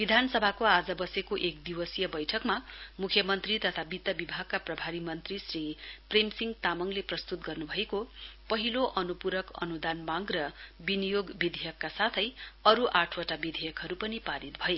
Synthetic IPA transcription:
b̥id̪ʱanʌsʌbʱakoad͡zʌbʌsekoʔekd̪iwʌsijʌbʌjʈʰʌkmamukʰjʌmʌnt̪rit̪ʌt̪ʰabit̪ʌbibʱaɡ̚kaprʌbʱaɾimʌnt̪risripremsiŋɡt̪amʌŋleprʌst̪ut̪ɡʌrnubʱʌekopʌɦiloʔʌnupuɾʌkʌ̰nud̪anmaɡrʌbinijoɡbid̪ʱijʌkːasat̪ʰʌjʌɾuʔaʈʰwʌʈabid̪ʱijʌkɦʌɾupʌnipaɾit̪̚bʱʌe

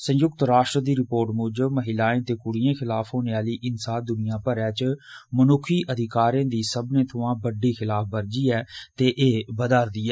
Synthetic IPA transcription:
sə̃jʊk̚t̪ɾaːʃʈɾəd̪iːɾɪpoːɾʈmʊd͡ʒməɦɪlaːẽːt̪eːkʊɽijãːkʰɪlaːfɦoːneːaːliːʔɪnsaːd̪ʊnɪjãːpəɾɛːt͡ʃmənʊkʰiːʔəd̪ʱɪkaːɾãːd̪iːsəbnẽːt̪ʰʊʋãːbəɖiːxʰɪlaːp̚ʰbəɾd͡ʒiːɛːt̪eːʔeːbəd̪aːɾd̪iːɛː

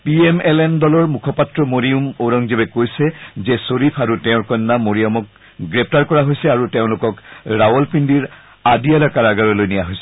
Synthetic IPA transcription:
piɛmɛlɛndɔlɔɹmukʰɔpatɹɔmoɹiumoɹɔŋzibɛkojsɛzɛsoɹipʰaɹutɛʊ̃ɹkɔnːamoɹiɔmɔk̚ | ɡɹɛp̚ʰtaɹkɔɹaɦojsɛaɹuteʊ̃lʊkɔkɹawɔlpindiɹ | adialɔkaɹaɡaɹɔlojnijaɦojsɛ̥

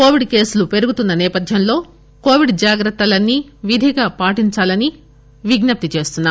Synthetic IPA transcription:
ko̞ːʋiɖke̞ːsulupe̞ɾuɡut̪unːɐnɛːpɐd̪ʱjɐnlo̞ː | ko̞ːʋiɖd͡ʒaːɡɾɐt̪ːɐlɐnːiʋid̪ʱiɡaːpaːʈiɲt͡ʃaːlɐni | ʋiɡnɐp̚t̪it͡ʃe̞ːst̪unːa

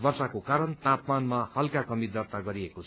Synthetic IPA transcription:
bʌrsakokaɾʌnt̪apmanmahʌlkakʌmid̪ʌrt̪aɡʌɾiekot͡sʰ

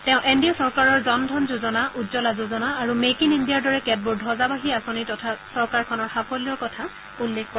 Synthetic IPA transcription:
tɛ̃ʊ̃ʔendiɔsɔɹkaɹɔɹzɔndʱɔnzuzɔnaʔudzɔlazozɔnaːɹumekinindijaɹdɔɹɛkɛt̚buɹdʱɔzabaɦiasonitɔtʰasɔɹkaɹkʰɔnɔɹxapʰɔliɔɹkɔtʰa | ulːekʰkɔ

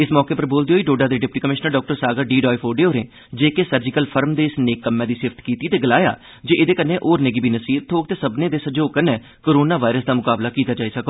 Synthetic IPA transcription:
ɪsmɔːkeːpəɾboːld̪eoːiːɖoːɖaːd̪eːɖɪp̚ʈiːkəmɪʃnəɾɖɔːk̚ʈəɾsaːɡəɾɖiːɖɔːifʰoːɖeːoːɾẽː | d͡ʒeːkeːsəɾd͡ʒɪkəlpʰəɾmd̪eːɪsneːkːəmːɛ̃ːd̪iːsɪft̪kiːt̪iːt̪eːɡəlaːja̰ː | d͡ʒeːʔɪd̪eːkənːẽːʔoːɾneːɡiːbʱiːnəsiːb̚t̪ʰoːk̚t̪eːsəbnẽːd̪eːsəd͡ʒoːkənːẽː | koːɾoːnaːʋaːɪɾəsd̪aːmʊkaːblaːkiːt̪aːd͡ʒaːiːsəko

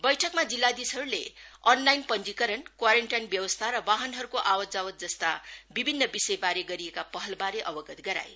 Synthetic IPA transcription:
bʌjʈʰʌkmad͡zilːad̪isʌɾuleʌnlajnpʌnd͡zikʌɾʌnkwaɾeɳʈajnbjʌwʌst̪ʰaɾʌbaɦʌnɦʌɾukoʔawʌd͡zawʌt̪̚d͡zʌst̪abibʱinːʌbisʌjbaɾeɡʌɾiekapʌɦʌlbaɾeʔʌbʌɡʌt̪ɡʌɾa̰j

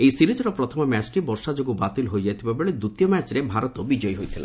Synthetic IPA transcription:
ejsiɾid͡ʒɔɾɔpɾɔt̪ʰɔmɔmɛt͡ʃʈibɔɾʃad͡ʒoɡubat̪ilɦojd͡ʒajt̪ʰibabeɭed̪ut̪ijɔmæt͡ʃɾebʱaɾɔt̪ɔbid͡ʒɔjɦojt̪ʰila̰

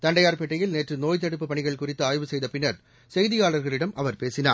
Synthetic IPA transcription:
t̪ɐɳɖɐjaːɾpɛʈːɐjɪlneːtrɯnoːjt̪̬ːɐɽɯpːɯpɐɳɪɣɐɭkʊrɪt̪ːɯaːjʋɯsɛjðɐpɪnːɐɾ | sɛjðɪjaːɭɐɾɣɐɭɪɽɐmʔɐʋɐɾpeːsɪna̰ː

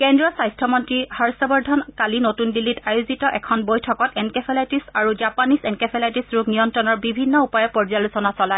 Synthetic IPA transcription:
kɛndɹɔsajstʰɹɔmɔntɹihaɹsɔbɔɹdʱɔnkalinotundilːitajuzitɔʔɛkʰɔnbojtʰɔkɔtɛnkɛpʰɛlajtisaɹuzapanisɛnkepʰelajtisɹuknijɔntɹɔnɔɹbibʱinːɔupɔjɛpɔɹd͡ʒalusɔnasɔlaj

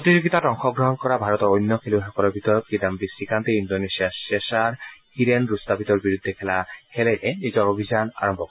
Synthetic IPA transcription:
pɾot̪id͡ʑoɡit̪aʈɔŋxɔɡɾɔɦɔnkɔɾabʱaɾɔt̪ɔɾojnːɔkʰeliɦakɔɾabʱit̪ɔɾɔt̪̚kid̪ambisikant̪eindonesiaʃeʃaɾhiɾenɾust̪ʰapit̪ɔɾbiɾud̪ʱːekʰɛlakʰeletenid͡ʑɔɾobʱid͡ʑana̰ɾɔmbʱɔk

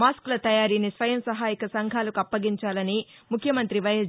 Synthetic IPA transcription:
maːsklɐt̪ɐjaːɾiːnisʋɐjɐmsɐɦaːjikɐsɐŋɡʱaːlɐkuɐpːɐɡiɲt͡ʃaːlɐni | mukʰjɐmɐnt̪ɾiʋɐjɐ

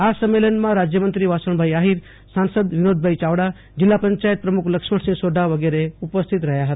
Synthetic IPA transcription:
asəmːelənmãɾad͡ʒjəmənt̪ɾiʋasəɽ̃bʱajaɦiɾ | sansəd̪ʋinod̪̚bʱait͡ʃaʋɽa | d͡ʒilːapəɲt͡ʃajət̪̚pɾəmukʰləkʃməɽsĩŋɡsoɖʱaʋəɡeɾeupəst̪ʰit̪ɾəɦjaɦət̪a

